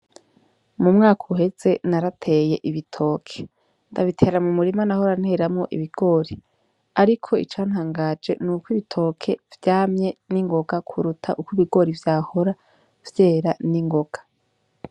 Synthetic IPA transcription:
mumŋaːkʰoɦe̞z̥e̞naɾatʰe̞ːje̞ʔiβitʰo̞ːkʰe̥ | ndaβitʰe̞ːɾamumuɾimanahoɾan̥he̞ːɾamŋo̞ʔiβiɡ̥o̞ːɾi | aɾikʰo̞ḭt͡ʃaːn̥haːŋɡad͡ʒe̞̰nuːkwiβitʰo̞ːkʰe̞vjaːmɲe̞niŋɡo̞ɡakʰuɾutʰaʔukwiβiɡo̞ːɾivjaːho̞ɾa | v̥je̞ːɾaniŋɡo̞ɡ̥ḁ

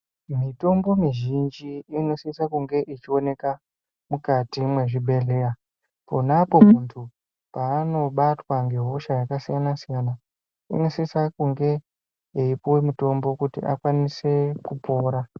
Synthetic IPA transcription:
mito̞mbo̞miʒind͡ʒiːnosisakuŋɡe̞ʔit͡ʃio̞ne̞ka | mukatimwe̞ʐiɓʱe̞ɮe̞ra | po̞napo̞muntʰu | paːno̞ɓatwaŋɡe̞ɦo̞ʃajakasijanasijana | ḭnosisakuŋɡe̞ | iipuwemuto̞mbo̞kutḭʔa̰kwanise̞kupo̞ːɾa

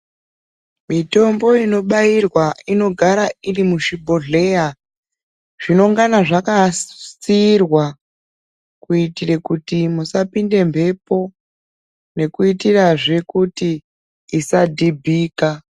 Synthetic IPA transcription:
mito̞mbo̞ino̞ɓairwaino̞ɡʱaɾairimuʃibʱoɮe̞ja | ʐ̥ino̞ŋɡanaʐakasirwa | kuitire̞kutimusapinde̞mbe̞po̞ | ne̞kuitiraʐe̞kutiː | sadʱibʱiːka

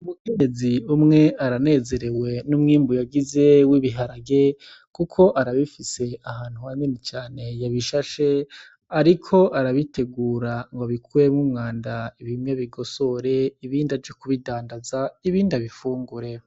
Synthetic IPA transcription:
umukeɲeziumŋe̞aɾane̞ːze̞ɾe̞we̞numŋiːmbujaɡize̞wiβiɦaɾaɡe | kukʰo̞ʔaɾaβifise̞ahaːn̥huhanenet͡ʃaːne̞jaβiʃaʃe̞ | aɾikʰo̞ʔaɾaβitʰe̞ɡuːɾaŋɡoβikʰuɾemŋumŋaːndaiβimɲaβiɡo̞so̞ɾe̞iβiːndavɟokuβidaːndazaiβiːndaβifuːŋɡuɾe̞

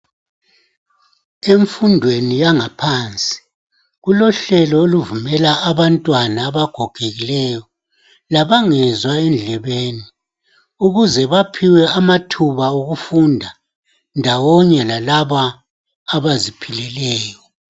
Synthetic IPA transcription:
eɱfundʱwenijaŋapʰant͡sʼi̥ | ɣulɔɬɛlɔoluvumɛlaːβantʼwanaːβaɡ̥ʱoɡ̥ʱeɣilɛjɔ | laβaŋɛzwaɛnd͡ɮʱɛβeːni | uɣuzɛβapʰiwɛamatʰuβauɣufundʱa | ndʱawɔɲɛlalaβaː | βazipʰilɛlɛːjɔ

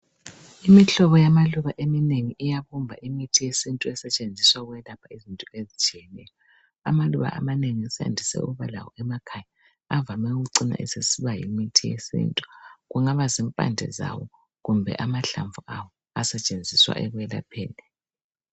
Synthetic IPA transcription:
imiɬɔβɔjamaluβaʔemineŋiʔijaβumbʱaʔimitʰijesintʼuɛsɛt͡ʃʼend͡zʱiswaɣwɛlapʰaizintʼɔezit͡ʃʼijɛnɛjɔ | amaluβa̰ʔa̰maneŋiɛsa̰ndʱisɛ̰uβala̰wɔ̰ɛmakʰaja | avamɛuɣuǀina̰ʔɛ̰sesiβajḭmitʰijḛsḭːntʼu̥ɣuŋaβazimpʼa̰ndʱɛ̰za̰wɔ | ɣumbʱɛ̰ʔamaɬaɱvuawɔ | asɛt͡ʃʼend͡zʱiswa̰ʔɛɣwɛla̰pʰɛːlɛ

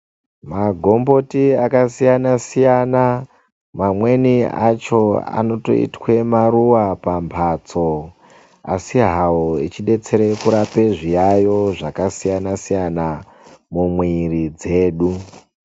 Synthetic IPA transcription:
maɡʱo̞mbo̞tiakasijanasijana | mamwe̞nia̰t͡ʃo̞a̰no̞to̞̰ḭtwe̞maɾuwapampʰaːt͡so̞ | asiɦawoit͡ʃiɗe̞t͡se̞ɾe̞kuɾape̞ʐijajo̞ʐakasijanasijana | mumwiɾid͡ze̞ːɗu

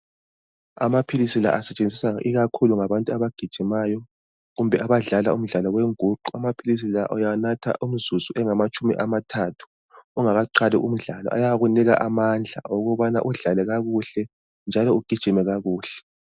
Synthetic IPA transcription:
a̰mapʰilisila̰ʔasɛt͡ʃʼend͡zʱisaŋa̰ʔiɣakʰuluŋaβantʼuaβaɡ̥ʱid̥ʒ̥ʱimajɔ | ɣumbʱɛaβaɮalaum̩ɮalɔɣweŋuǃuamapʰilis̬ilaʔɔjanatʰa̰ʔum̩zuzuʔɛŋamat͡ʃʼumḭʔamatʰatʰu̥ | uŋaɣaǃalḭʔum̩ɮalɔ̰ʔa̰jaɣuniɣa̰ʔamand͡ɮʱa̰oɣuβana̰ʔuɮalɛɣaɣuɬɛ | nd͡ʒʱalɔuɡ̥ʱid̥ʒ̥ʱimɛɣaɣuːɬɛ̥

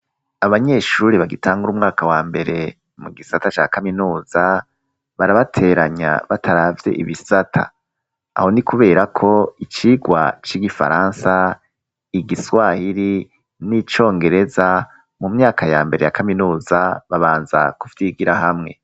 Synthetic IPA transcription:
aβaɲe̞ʃuːɾiβaɡitʰaːŋɡuɾuːmŋaːkawaːmbe̞ɾe̞ | muɡisatat͡ʃa̰kaminuːz̥a | βaɾaβatʰe̞ɾaɲa̰βatʰaɾaːvje̞̰ʔḭβisatʰa̰ | a̰ho̞nikuβe̞ːɾakʰo̞it͡ʃiːɡwa̰t͡ʃiɡifa̰ɾaːnsa | iɡiswahiɾi | nit͡ʃo̞ːŋɡe̞ɾe̞za | mumɲaːkʰajaːmbe̞ɾe̞jakʰaminuːzaβaβaːnza̰ku̥fitiɡiɾahamŋe̞

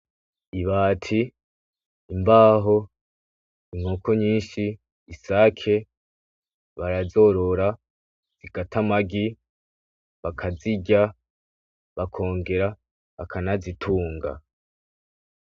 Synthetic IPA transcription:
iβaːtʰiː | mbaːɦo̞ | iŋhokʰo̞ɲiːnʃiː | saːkʰe̞ | βaɾazo̞ɾo̞ɾa | z̥iɡatʰamaɡi | βakʰaziɟa | βakʰo̞ːŋɡe̞ɾa | βakʰanazitʰuːŋɡa̰

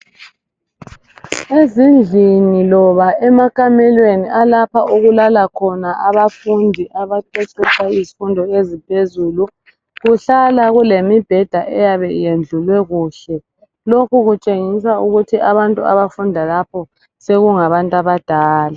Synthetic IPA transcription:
ezind͡ɮʱinilɔβaʔɛmakʼamɛlweniʔalapʰaʔuɣulalakʰɔnaʔaβafundʱiʔaβaǃɛt͡ʃʼɛt͡ʃʰʼaizifundʱɔezipʰezuːlu | ɣuɬalaɣulemib̥ʱɛd̥ʱaʔɛjaβɛijend͡ɮʱulwɛɣuːɬɛ | lokʰuɣut͡ʃʼeŋisauɣutʰiʔaβantʼua̰βafundʱalapʰɔ | seɣuŋaβantʼaβad̥ʱaːla

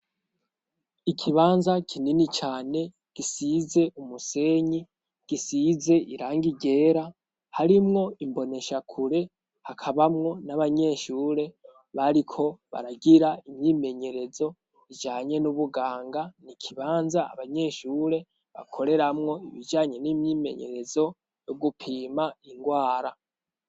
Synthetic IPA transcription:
ikʰiβaːnzakʰininit͡ʃaːne̞ | ɡ̥isize̞ʔumuse̞ɲi | ɡ̥isize̞ʔiɾaːŋɡiɟe̞ːɾa | haɾimŋo̞imbo̞ne̞ʃakʰuɾe̞ | hakʰaβamŋo̞naβaɲe̞ːʃuːɾe̞ | βaɾikʰo̞βa̰ɾaɡiɾaimɲiːme̞ɲe̞ɾe̞zo̞ | id͡ʒaːɲe̞nuβuɡaːŋɡanikʰiβaːnzaa̰βaɲe̞ːʃuːɾe̞ | βa̰kʰo̞ɾe̞ɾamŋo̞iβid͡ʒaːɲe̞nimɲime̞̰ɲe̞̰ɾe̞zo̞ | jo̞ɡupʰiːmaiŋɡwaːɾa

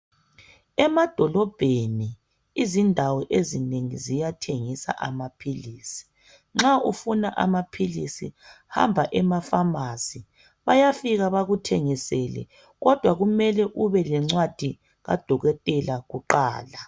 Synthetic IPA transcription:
ɛmad̥ʱɔlɔb̥ʱeni | izindʱawɔʔezineŋizijatʰeŋisa̰ʔa̰mapʰiliːsi̥ | ŋ͡ǁaufunaʔa̰mapʰilisi | ha̰mbʱaʔɛmafamasi | βajafiɣaβaɣutʰeŋisɛlɛ̰ | ɣɔd̥ʱwaɣumɛlɛʔuβɛlɛŋ͡ǀwad̥ʱi | ɣa̰d̥ʱɔɣɛtʼɛlaɣuǃa̰ːla

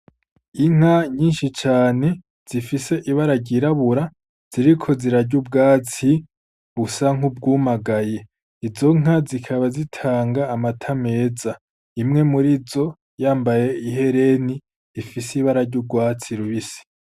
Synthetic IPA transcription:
iŋ̥haɲiːnʃit͡ʃaːne̞ | z̥ifise̞ʔiβaɾaɾɟiɾaβuɾa | z̥iɾikʰo̞ziɾaɾɟubɡaːt͡si | βusaŋhub̚ɡuːmaɡaje̞ | izo̞ŋ̥azikʰaβazitʰaːŋɡaːmatʰame̞ːza | imŋe̞muɾizo̞ | jaːmbaje̞iɦe̞ɾe̞niː | fisiβaɾaɾɟub̚ɡwaːt͡siɾuβisi̥

